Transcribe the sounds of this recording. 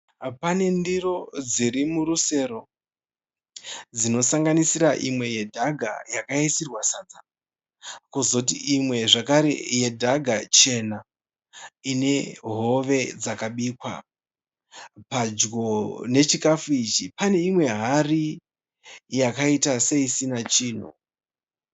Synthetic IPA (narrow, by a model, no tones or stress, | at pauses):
pane̞ndiro̞d͡ziɾimuɾuse̞ɾo̞ | d͡zino̞saŋɡanisiɾaʔimwe̞je̞dʱaɡʱa̰jakaisirwasaːd͡za | kuzout̬iimwe̞ʐakaɾe̞̰je̞dʱaɡʱat͡ʃe̞na | ine̞ɦo̞ʋe̞d͡zakaɓikwa̰ | pad͡ʒɡo̞ne̞t͡ʃikafuit͡ʃipane̞imwe̞ɦari | jakaitase̞isinat͡ʃiːn̤ṵ